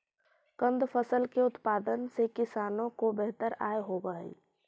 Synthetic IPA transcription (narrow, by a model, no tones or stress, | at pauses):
kə̃nd̪pʰəsəlkeʊt̪paːd̪ənsekɪsaːnõkobeɦt̪əɾa̰ːeɦobəɦḭ